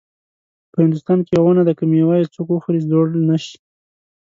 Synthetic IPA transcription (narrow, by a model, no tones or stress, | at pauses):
pəhɪnd̪ʊst̪ɑnkejawanad̪akamjawajat͡sokwuxɾizd̪oɽlnaʃi̥